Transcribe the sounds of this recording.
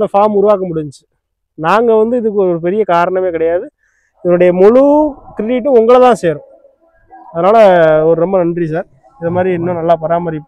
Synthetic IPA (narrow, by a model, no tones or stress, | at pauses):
d̪ɐfaːɾmʊɾʊʋaːk̬ɐmʊɽɪɲt͡ʃːɯ | naːŋɡɐʋɐnd̪ɯɪðɯkːɯɔɾɔɾɯpɛɾɪjɐkaːɾɐɳɐmeːkɪɽɐjaːðɯ | nːʊɽɐjɐmɔɻukɾɪʈiːʈ̬ːɯʊŋɡɐɭɐt̪ãːseːɾʊ̃ | ɐðɐnaːlɐɔɾɯɾɔmbɐnɐndrisaːɾ | ɪðɐmaːd̪ɾiɛnːʊ̃nɐlːaːpɐɾaːmɐɾi